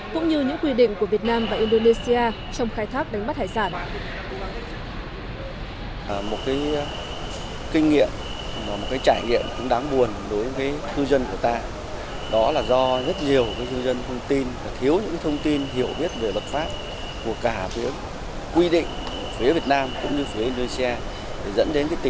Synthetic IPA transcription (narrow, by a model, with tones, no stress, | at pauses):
kʊ̰˧˥ŋ͡mɲɨ˧ɲɨ̰˧˥ŋkwi˧ɗḭ̈˧˨ŋ̟ku˧˩vi˨˩ət̚naː˧mvaː˨˩ʔi˧nɗo˧ne˧si˧aː˧ | t͡ɕɔ˧wŋ͡mxaː˧jt̪ʰaː˦˥k̚ɗa˨˦jŋɓt̚haː˧˩jsaː˧˩n | mo˨˩t̚kaː˨˦j | kï˧ŋ̟ŋḭ˧˨əm | maː˨˩mo˨˩t̚kaː˨˦jt͡ɕaː˧˩jŋḭ˧˨əmkʊ̰˧˥ŋ͡mɗaː˨˦ŋɓu˨˩ənɗo˨˦jkaː˨˦jt̪ʰɨ˧zə˧nku˧˩ət̪aː˧ | ɗɔ˨˦laː˨˩zɔ˧zə˦˥t̚ɲi˨˩əwkaː˨˦jt̪ʰɨ˧zə˧nt̪ʰə˧wŋ͡mt̪i˧nvaː˨˩t̪ʰi˨˦əwɲɨ̰˧˥kaː˨˦t̪ʰə˧wŋ͡mt̪i˧nɦi˧˩əwɓi˦˥ət̚ve˨˩lə˨˩t̚faː˦˥p̚ | k̪u˧˩əkaː˧˩fi˨˦ə | kwi˧ɗḭ̈˧˨ŋ̟˨˩fi˨˦vi˨˩ət̚naː˧mkʊ̰˧˥ŋ͡mɲɨ˧fi˨˦əi˧n˧si˧aː˧ | ɗe˧˩zə̰˧˥nɗe˨˦nkaː˨˦t̪